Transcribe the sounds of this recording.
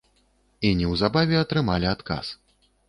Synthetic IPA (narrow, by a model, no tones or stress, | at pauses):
inʲɛwzabavʲɛɐt̪ɾɨmalʲiat̪ka̰s